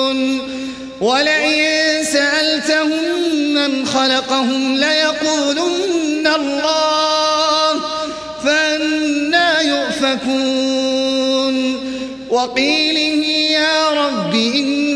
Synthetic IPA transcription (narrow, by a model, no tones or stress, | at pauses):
n | walaʔɪnsaʔalt̪ahʊmːanxɑlɑqɑhʊmlajɑquːlunnnːalˤːɑː | h | faʔanːaːjʊʔfafu | n | wɑqiːlɪhjaːɾˤɑbːɪʔɪnː